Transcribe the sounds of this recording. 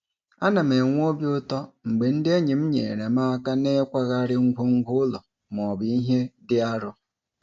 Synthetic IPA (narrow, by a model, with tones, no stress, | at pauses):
a˦na˨me˨ŋʷ˦o˦bjʊ˦tɔ˦ŋ͡m̩˨ɡ͡be˨n̩˦dɪ˦e˦ɲɪ˨m̩˦ɲḛ˨ɾe˨ma˦a˦ka˦ne˦kʷa˦ɣa˦ɾɪ˦ŋ̩˦ɡʷʊ˦ŋ̩˦ɡʷʊ˦lɔ˨ | m˨ɔ˨bi˦ɦe˦dɪ˦a˦ɾʊ˦